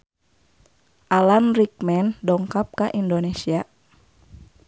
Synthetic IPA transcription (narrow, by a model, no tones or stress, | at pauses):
ʔalanrik̚mɛndɔŋkap̚kaʔindonesia